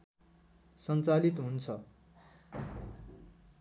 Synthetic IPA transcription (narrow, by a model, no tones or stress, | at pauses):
sʌnt͡salit̪ɦunt͡sʰʌ